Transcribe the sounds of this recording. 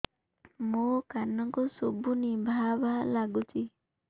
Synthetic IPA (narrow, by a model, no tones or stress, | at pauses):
mukanɔŋkusobʱunibʱabalaɡut͡ʃi